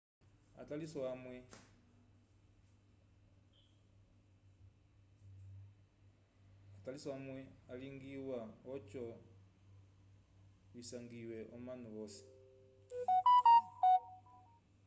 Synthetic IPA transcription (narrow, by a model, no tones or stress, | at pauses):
a̰talisɔamwɛ | atalisɔamwɛaliŋɡiwaɔt͡ʃɔ | βisaŋɡiwɛʔɔmanuβɔsi̥